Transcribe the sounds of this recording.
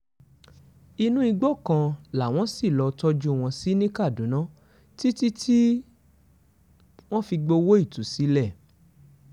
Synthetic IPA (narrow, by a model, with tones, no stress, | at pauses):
i˧nũ˦i˧ɡ͡bɔ˦˨kã˧la˨w̃ɔ̃˦si˦˨lɔ˧tɔ˦d͡ʒu˦˨w̃ɔ̃˧si˦nĩ˦ka˦˨dũ˨˦nã˦ | ti˦ti˦tʰi˦ | w̃ɔ̃˦fi˧ɡ͡bo˧wo˦i˦˨tu˨˦si˨˦lɛ˦˨